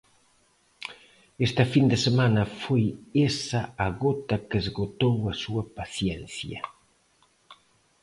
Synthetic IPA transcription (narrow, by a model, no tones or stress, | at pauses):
est̪ɐfind̪ɪsemanɐfojesɐːɣot̪ɐkezɣot̪owɐsuɐpaθjɛnθjɐ̰